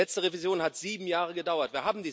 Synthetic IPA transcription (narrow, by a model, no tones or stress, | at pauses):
ɛt͡stəʁevizjoːnhatz̥iːbm̩jaːʁəɡədaʊɐtv̥iːɐɦaːbm̩diː